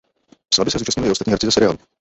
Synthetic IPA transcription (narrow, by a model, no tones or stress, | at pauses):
slabɪsɛzuːt͡ʃast̪ɲɪlʔɪʔost̪at̪ɲiːɦɛɾt͡sɪzasɛɾɪaːlu